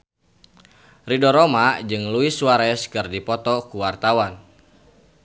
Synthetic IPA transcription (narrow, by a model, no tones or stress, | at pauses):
ridɔɾɔmad͡ʒɨŋluisuaɾɛskɨrdipɔt̪ɔkuwart̪awan